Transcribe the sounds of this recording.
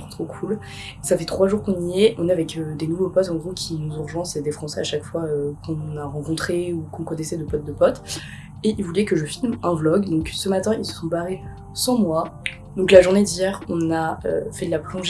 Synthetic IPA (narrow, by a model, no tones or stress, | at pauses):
χɔ̃t̪χokʰul | safɛt̪χwaʒuʁkɔ̃nijɛʔɔ̃neavɛkød̪enuvopɔt̪ɑ̃ɡʁokʲʰinuzuʁʒwɑ̃sed̪efχɑ̃sɛaʃakfwaøkɔ̃naʁɑ̃kɔ̃t̪χeukɔ̃kɔnɛsɛd̪əpɔt̪̚d̪əpɔt̪ | eilvulɛkəʒəfilmɛ̃vlɔɡd̪ɔ̃ksəmat̪ɛ̃ilsə̥sɔ̃baʁe | sɑ̃mwa | d̪ɔ̃klaʒuʁned̪ijɛʁɔ̃naø̰fɛd̪əlaplɔ̃ʒ